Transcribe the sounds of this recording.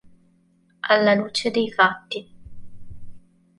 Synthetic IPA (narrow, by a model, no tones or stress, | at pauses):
alːaluːt͡ʃed̪ejfat̪ːi